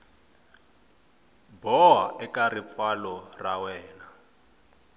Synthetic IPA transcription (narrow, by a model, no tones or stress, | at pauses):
bɔwaʔɛkʼarip̪falɔrawɛːna